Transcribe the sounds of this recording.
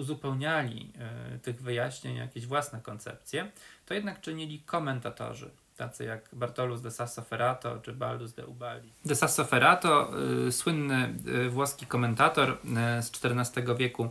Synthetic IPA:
uzupɛwɲalʲḭt̪ɘɣvɘjaɕɲeɲja̰kʲeʑvwasnɛkɔnt̪sɛ̰p̚t̪sʲjɛt̪ɔjɛd̪nakt͡ʂɘɲilʲikʰɔmɛnt̪at̪ɔ̰ʐɘ̰ | t̪at̪sɘjaɡbaɾt̪ɔluzd̪ɛsasɔfɛɾʔat̪ɔ̰t͡ʂɘbald̪uzd̪ɛ̰ubalʲid̪ɛsasɔfɛɾat̪ɔswɘnːɘvwɔskʲikɔmɛnt̪at̪ɔɾst͡ʂt̪ɛɾnast̪ɛɡɔvʲjɛku

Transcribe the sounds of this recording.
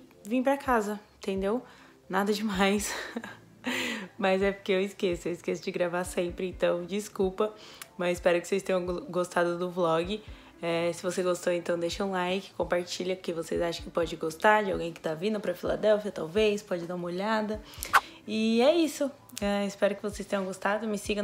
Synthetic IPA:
vĩpɾɐkʰazɐ̃t̪ẽnd̪ew | nad̪ɐd͡ʒɪmajs | mɐzɛpʊɾkeewɪskesʊewɪskesʊd͡ʒɪɡɾavasẽpɾɪẽt̪ɐ̃w̃d͡ʒiskuwpɐmɐzɪspɛɾʊkɪ̥sest̪ẽj̃ɐ̃w̃ɡost̪ad̪ʊd̪ʊblɔɡɪ | ɛsɪvoseɡost̪oẽnt̪ɐ̃w̃d̪eʃɐũlajkɪ̥kõpaɾt͡ʃiʎɐkɪvosezaʃɐ̃kɪpɔd͡ʒɪɡost̪aɾd͡ʒɪawɡẽj̃kɪ̥t̪avĩnd̪ʊpɾɐfila̰d̪ɛwfiɐt̪awvejspɔd͡ʒɪd̪aũmɐoʎad̪ɐ | ɪɛisʊ | ɛɪspɛɾʊkɪvosejst̪ẽɲ̃jɐ̃ɡost̪ad̪ʊmɪsiɡɐ̃

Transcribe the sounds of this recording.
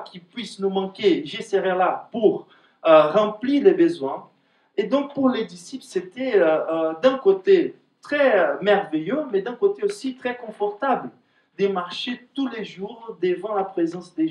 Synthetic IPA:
kʲipɥisnumɑ̃kʲeʒeseʁɛlapuʁ | øʁɑ̃plilebəzwɛ̃ | ed̪ɔ̃k̚puʁled̪isiplset̪ɛød̪ɛ̃kot̪e | t̪χɛmɛʁvejømɛd̪ɛ̃kot̪eosit̪χɛkɔ̃fɔʁt̪abl | d̪əmaʁʃet̪uleʒuʁd̪əvɑ̃lapχezɑ̃sd̪e

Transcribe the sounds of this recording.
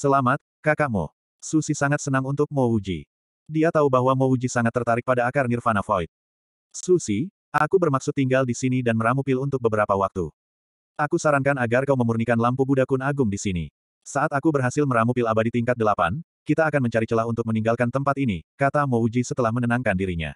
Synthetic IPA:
səlamat̪̚kakaʔmɔ̰ | susisaŋat̪sənaŋunt̪ʊk̚mɔud͡ʒḭ | diat̪aubaɦwamoud͡ʒisaŋat̪ːərt̪aɾɪk̚padaːkarnirfanafɔit̪̚ | susi | ʔakubərmaksʊt̪ːiŋɡaldisinidanməɾamupɪlunt̪ʊk̚bəbəɾapawak̚t̪ṵ | ʔakusaɾaŋkanaɡarkauməmurnikanlampubudakʊnaɡʊmdisinḭ | saʔat̪akubərɦasɪlməɾamupɪlabadit̪iŋkat̪̚dəlapa̰n | kit̪aːkanməɲt͡ʃaɾit͡ʃəlaɦunt̪ʊk̚məniŋɡalkant̪əmpat̪inikat̪amoud͡ʒisət̪əlahmənənaŋkandiɾiɲa̰

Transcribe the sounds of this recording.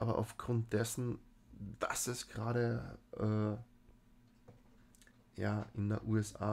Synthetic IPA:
ʔaːbɐʔa̰ʊfɡ̥ʁʊnt̚d̥ɛsn̩ | vasɛsɡ̥əʁaːɾəʔɛː | jaːʔɪndḛʔuːɛsa̰ː

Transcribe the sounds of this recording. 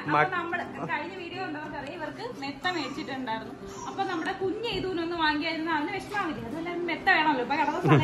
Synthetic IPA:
ɐnɐmːɐɽekɐɻiɲːɐʋiːɽijouɳɖɐʋɐrkʋɐrɐjiʋɐrkɨmet̪ːɐme̞ːt͡ɕːiʈːuɳɖaːjiɾunːu | ɐpːo̞ːnɐmːuɽekuɲːt͡ɕejt̪uːnonːɨʋaːŋiɡijaːjiɾunːɐʋinɨʋeʂɐmɐaːɣilʲːiɐðuʋelːaːmet̪ːɐʋe̞ːɳɐmɐlːopːoːkɐɽɐkːɐs

